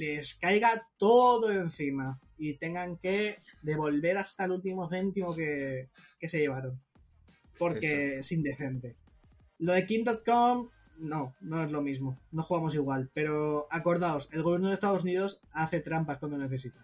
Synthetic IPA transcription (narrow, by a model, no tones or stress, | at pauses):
le̞skajɣat̪o̞ðoe̞n̟θima | it̪e̞ŋɡaŋke̞d̪e̞β̞o̞lβe̞ɾast̪alult̪̬imo̞θe̞nt̪imoke̞ | ke̞se̞ʝe̞β̞aɾon | po̞ɾke̞sind̪e̞θe̞nt̪e̞ | lo̞ðe̞kind̪ot̪̚kom | no̞no̞e̞zlo̞mizmo̞noxuɣamo̞siɣ̞walpe̞ɾo̞ako̞ɾðaose̞lɣoβje̞ɾnoðest̪aðosuniðo̞saθe̞t̪ɾampaskwand̪oneθe̞s̬it̪a